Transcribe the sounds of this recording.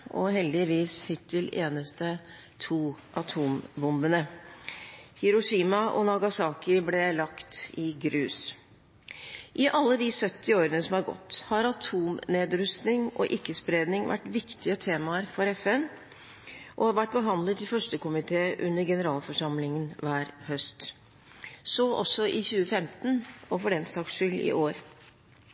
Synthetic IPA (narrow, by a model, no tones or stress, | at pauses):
ʔɔɦɛld̪ɪʋiːshɪt̪ʰːɪleːnəst̪ə | t̪ʰuːʔɑt̪ʰuːmbʊmbənə | hɪɾʊʂiːmɑʔɔ̰nɑɡɑsɑːkɪblɛlɑkt̪ɪɡɾʉːs | ʔɪʔɑlːəd̪ɪsœt̪ːɪoːɾənəsɔmhɑɾɡɔ̰t̪ːhɑɾɑt̪ʰuːmneːd̪ɾʉst̪nɪŋɔ̰ʔɪkːəspɾeːd̪nɪŋʋʔæ̰ʈːʋɪkt̪ɪət̪ʰeːmɑəɾfɔɾɛfɛn | ʔɔʋæʈ̚ːbəɦɑnd̪lət̪ʰːɪlfœʂʈəkʊmɪt̪ʰeːʔʉnːəɾɡɛnəɾɑːlfɔʂɑmlɪŋənʋæːɾhœst̪ | sɔʔɔ̰sːɔʔɪçʉːəfɛmt̪nɔfɔɖɛnsɑːksʂʏlɪ̰ʔoːɾ